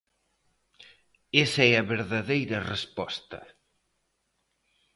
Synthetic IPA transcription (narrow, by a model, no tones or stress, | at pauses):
esɛɐβeɾðaðejɾɐrespɔst̪ɐ̰